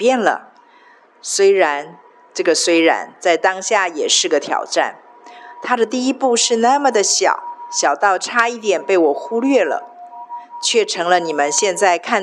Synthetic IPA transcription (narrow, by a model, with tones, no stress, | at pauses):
pjɛ˥˩nlə̰˩ | swe˥ɪɻa˧˥n | ʈ͡ʂɤ˥˩ɡə˩swe˥ɪɻa̰˧˥nt͡sa˥˩ɪt̪ɑ˥ŋɕja˥˩jɛ˨˩ʂɻ̩˥˩ɡə˩t̪ʰjɑ̰˨˩ʊʈ͡ʂa̰˥˩n | t̪ʰa˥d̪ə˨t̪i˥˧i˥pu˥˧ʂɻ̩˥˧na˥˩mə˩d̪ə˩ɕjɑ̰˨˩˦ʊɕjɑ˨˩ʊt̪ɑ˥˩ʊʈ͡ʂʰa˥i˥˩t̪jɛ˨˩npe˥˩ɪwɔ˨˩xu˥lɥɛ˥˩lə̰˩ | t͡ɕʰɥɛ˥˩ʈ͡ʂʰɤ˧˥ŋlə˧ni˨˩mə˦nɕjɛ˥˧nt͡sa˥˧ɪkʰa˥˩